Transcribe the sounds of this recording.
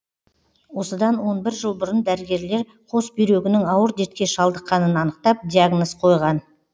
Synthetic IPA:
wo̞səd̪ɑnwo̞nbɪɾʒəlˠbʊɾənd̪æɾɪɡʲe̞ɾle̞ɾ | qʰo̞sbʏjɾe̞ɡʲɪnɪŋɑwəɾd̪eɾt̪̚kʲe̞ʃɑlˠd̪əqːɑnənɑnəq̚t̪ɑp̚d̪ʲiaɡnosqʰo̞jʁɑn

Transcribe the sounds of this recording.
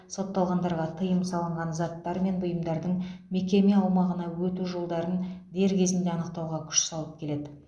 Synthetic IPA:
so̞t̪ːɑlˠʁɑnd̪ɑɾʁɑt̪ʰəjəmsɑlˠəɴʁɑnzɑt̪ːɑɾme̞nbʊjəmd̪ɑɾd̪əɴme̞kʲe̞meɑwmɑʁənɑwɵt̪uʒo̞lˠd̪ɑɾənd̪e̞ɾkʲʰe̞zɪnd̪e̞ɑnəq̚t̪ɑwʁɑkʲʰʏ̥ʃsɑlˠəp̚kʲʰe̞le̞d̪ɪ

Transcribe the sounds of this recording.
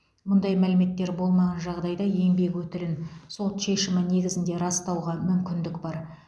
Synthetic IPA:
mʊnd̪ɑjmælɪme̞t̪ːe̞ɾbo̞lˠmɑʁɑnʒɑʁd̪ɑjd̪ɑje̞ŋbe̞kwɵt̪ɪlɪnso̞t̪ʃe̞ʃɪmɪne̞ɡʲɪzɪnd̪e̞ɾɑst̪ɑwʁɑmʏmkʲɪnd̪ɪkbɑɾ

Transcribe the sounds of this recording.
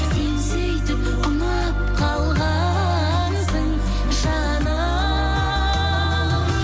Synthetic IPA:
ensejt̪ɪp | ʊnə | p̚qʰɑlˠʁɑ | nsəɴ | ʒɑ | nə

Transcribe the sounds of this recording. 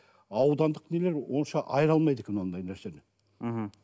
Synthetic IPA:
ɑwd̪ɑnd̪əqne̞le̞ɾwo̞nʃɑʔɑjəɾɑlˠmɑjd̪e̞kʲenond̪ɑjnæɾse̞nɪ | ɦ̩

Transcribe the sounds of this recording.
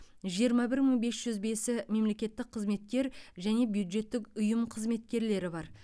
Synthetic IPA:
ʒijəɾmɑbɪɾməɴbe̞sʒ̥ʏzbe̞sɪme̞mle̞kʲe̞t̪ːɪk̚qʰəzme̞t̪̚kʲe̞ɾʒæne̞bjud̪ʒe̞t̪ːɪkʊjəmqʰəzme̞t̪̚kʲe̞ɾle̞ɾɪbɑɾ

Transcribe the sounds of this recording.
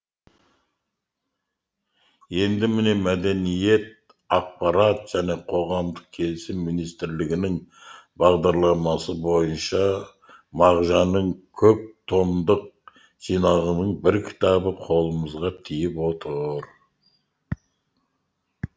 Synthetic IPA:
je̞nd̪ɪmɪne̞mæd̪enije̞t̪̚ | ɑq̚pɑɾɑt̪ʒ̥æne̞qʰo̞ʁɑmd̪əq̚kʲʰe̞lɪsɪmːinijst̪ɪɾlɪɡʲɪnɪŋbɑʁd̪ɑɾlˠɑmɑsəbo̞jənʃɑ | mɑʁʒɑnəɴkʲʰɵp̚t̪ʰo̞md̪əq̚ | ʒ̥ijnɑʁənəɴbɪɾkʲʰɪ̥t̪ɑbəqʰo̞lˠəməzʁɑt̪ʰijɪpwo̞t̪ʰəɾ

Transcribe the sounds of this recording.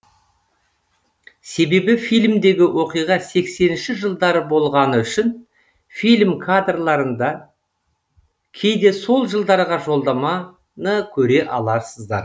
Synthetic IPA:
se̞be̞bɪfijlʲmd̪e̞ɡʲɪwʔo̞qijʁɑse̞kse̞nɪnʃɪʒəlˠd̪ɑɾəbo̞lˠʁɑnəʏʃɪn | filʲmkʰad̪rlˠɑɾənd̪ɑ | kʲʰe̞jd̪e̞so̞lˠʒəlˠd̪ɑɾʁɑʒo̞lˠd̪ɑmɑ | nəkʲʰɵɾe̞ʔɑlˠɑɾsəzd̪ɑɾ

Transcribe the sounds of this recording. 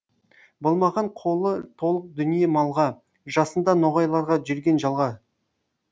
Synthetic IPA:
bolˠmɑʁɑɴqʰo̞lˠət̪ʰo̞lˠəq̚d̪ʏnijemɑlˠʁɑ | ʒɑsənd̪ɑnoʁɑjlˠɑɾʁɑʒʏɾɡʲe̞nʒɑlˠʁɑ

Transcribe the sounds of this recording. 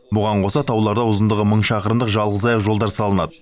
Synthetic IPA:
bʊʁɑɴqʰo̞sɑt̪ʰɑwlˠɑɾd̪ɑwʊzənd̪əʁəməɴʃɑqəɾəmd̪əqʒɑlˠʁəzɑjəqʒo̞lˠd̪ɑɾsɑlˠənɑd̪ə

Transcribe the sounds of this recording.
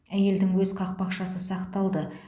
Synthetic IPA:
æje̞ld̪ɪŋwɵzqʰɑq̚pɑqʃɑsəsɑqt̪ɑlˠd̪ə

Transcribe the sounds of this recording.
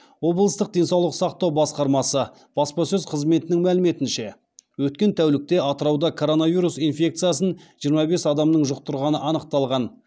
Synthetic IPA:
wo̞blˠəst̪əq̚d̪e̞nsɑwlˠəqsɑqt̪ɑwbɑsqɑɾmɑsə | b̥ɑspɑsɵzqʰəzme̞t̪ɪnɪŋmælɪme̞t̪ɪnʃe̞ | wɵt̪̚kʲe̞nt̪ʰæwlɪk̚t̪e̞ɑt̪əɾɑwd̪ɑkʰo̞ɾo̞navijɾusinfʲe̞k̚t̪sɨijasənʒijəɾmɑbe̞sɑd̪ɑmnəɴʒʊq̚t̪ʰʊɾʁɑnəʔɑnəq̚t̪ɑlˠʁɑn

